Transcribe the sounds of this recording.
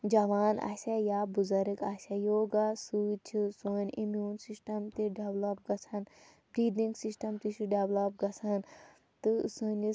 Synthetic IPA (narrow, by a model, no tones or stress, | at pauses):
d͡ʒɐʋaːna̰ːsʲajaːbuzɐɾikaːsɐjoːɡasuːt͡ʃʰisoːnʲimjuːnsisʈɐmt̪iɖeʋlɐp̚ɡɐt͡sʰɐn | bɾiːd̪iŋɡsisʈɐmt̪it͡ʃʰiɖeʋlɐp̚ɡɐt͡sʰan | t̪ɨsɨni